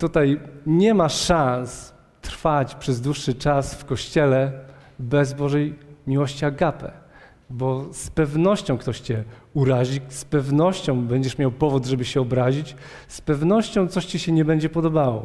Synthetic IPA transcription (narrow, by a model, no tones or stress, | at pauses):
t̪ut̪ajɲɛmaʂãns | t̪ɾfat͡ɕpʂɛzd̪wuʂːɘt͡ʂasfkɔɕt͡ɕɛlɛ | bɛzbɔʐɛjmʲiwɔɕt͡ɕiaɡapɛ̰ | bɔspɛvnɔɕt͡ɕɔ̃w̃kt̪ɔɕt͡ɕɛuɾaʑispɛvnɔɕt͡ɕɔ̃w̃bɛɲd͡ʑɛʂmʲjawpɔvud̪ʐɛbɘɕɛɔbɾaʑit͡ɕ | spɛvnɔɕt͡ɕɔ̃w̃t̪sɔɕt͡ɕɛɕɛɲɛbɛɲd͡ʑɛpɔd̪ɔbawɔ̰